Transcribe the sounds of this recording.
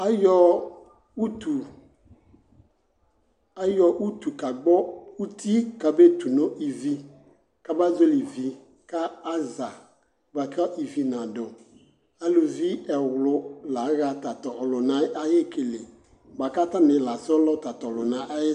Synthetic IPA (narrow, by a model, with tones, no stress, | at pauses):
a˦jɔ˦ | u˦tu˨ | a˦jɔ˨ʔu˦tu˨ka˨ɡ͡bɔ˦u˦ti˦ka˨be˦tu˨nʊ̃˦ʔi˨vi˦ | ka˦ba˦zo˦li˨vi˦ | ka˦a˦za˨ | ba˨ka˦ʔi˨vi˦nã˨dʊ˨ | a˨lu˨vi˦ɛ˨wʊ˨lʊ˨la˨˦ɣa˨ta˨tɔ˨hlʊ˨nã˨˦a˦je˦ke˨le˨ | ɡ͡ba˨ka˦ta˦mɪ̃˨la˨sɔ˦lɔ˦ta˨tɔ˨lʊ˨nã˨˦ʔa˦jɪ˦